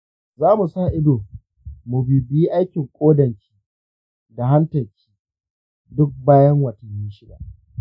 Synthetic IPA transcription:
zaː˦mu˨sa˦˨ʔɪ˦doː˨ | mu˨biː˨biː˦ʔa˦jkʲɪ˨ŋkʷʼoː˦dɐ˨ŋkʲi̥ː˦ | da˨ɦa˦ntɐ˨lkʲʰi̥ː˦ | dʊ˦k̚baː˦jɐ˦ŋwɐ˨tɐ˨ɲːi˦ʃɪ˦da̰˨

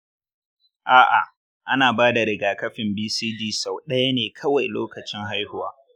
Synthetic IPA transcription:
ʔaː˦ʔa̰˨ | ʔa˦naː˨baː˦da˨ɾɪ˨ɡaː˨kɐ˦ɸɪ˨mbiː˦siː˦diː˦sa˨wɗɐ˦ja˦neː˨kʰɐ˦wa˨jlo̰ː˦kɐ˨t͡ʃɪ˦ŋɦa˦jhʊ˨waː˦

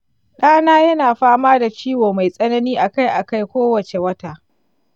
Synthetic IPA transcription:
ɗaː˦naː˦jɐ˦naː˨ɸaː˦maː˦da˨t͡ʃiː˦woː˨ma˨jsʼɐ˦nɐ˦niː˦ʔa˨ka˦jʔa˨ka˦˨jkʷoː˦wɐ˨t͡ʃe˨wɐ˦taː˨

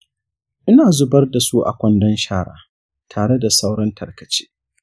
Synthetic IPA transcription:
ʔɪ˦naː˨zʊ˦bɐ˦rda˨su˦ʔa̰˨kʷɔ˦ndɔ˦nʃaː˦ɽa̰ː˨ | tʰaː˨ɽe˦da˨sa˦wɽɐ˦ntʰɐ˨rkɐ˨t͡ʃe̥ː˦

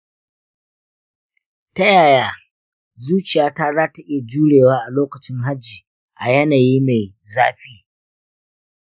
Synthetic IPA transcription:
ta˦jaː˨jaː˦ | zuː˦t͡ʃɪ˨jaː˦ta˦zaː˦tɐ˦ʔʲeː˨d͡ʒuː˦ɽeː˨waː˦ʔa˨loː˦kɐ˨t͡ʃɪ˦ŋɦa˦d͡ʒːiː˨ | ʔa˨jɐ˦naː˨jiː˦ma˨j | zaː˦ɸiː˦

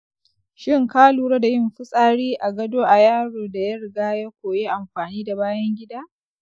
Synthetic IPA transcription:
ʃɪ˦ŋkaː˦luː˨ɾa˦da˨jɪ˦mɸɪ˦sʼaː˦ɽiː˦ʔa˨ɡɐ˦doː˦ʔa˨jaː˦ɽoː˨da˨jɐ˦ɾɪ˨ɡaː˦ja˦kʷoː˨jeː˦ʔa˨mɸaː˨niː˦da˨baː˦jɐ˦ŋɡʲɪ˦daː˦

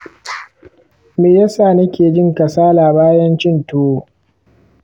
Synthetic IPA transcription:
meː˨ja˦saː˨nɐ˦kʲeː˨d͡ʒɪ˦ŋkɐ˨saː˦laː˨baː˦jɐ˦nt͡ʃɪ˦ntoː˦˨

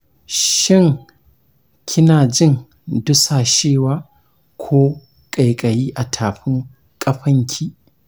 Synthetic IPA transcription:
ʃɪ˦˨ŋ | kʲʰɪ˦naː˨d͡ʒɪ˦˨ŋ | dʊ˦saː˨ʃeː˦˨waː˨ | kʷʰoː˦ | kʼa˨jkʼɐ˨jiː˦ʔa˨tʰaː˨ɸɪ˦ŋ | kʼɐ˦ɸɐ˦ŋkʲʰiː˦

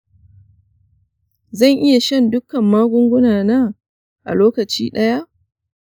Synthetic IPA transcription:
zɐ˦˨ŋʔɪ˦ja˨ʃɐ˦ndʊ˦kɐ˨mːaː˦ɡʷʊ˦ŋɡʷʊ˦naː˨naː˦ | ʔa̰˨loː˦kɐ˨t͡ʃḭː˦ɗɐ˦ja˦ʔ

